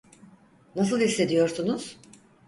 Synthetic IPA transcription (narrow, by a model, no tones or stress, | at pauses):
nasɯlˠisːe̞d̪ijo̞ɾsunuz̥